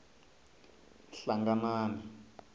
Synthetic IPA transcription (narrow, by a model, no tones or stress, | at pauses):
ɬaŋɡanaːnɛ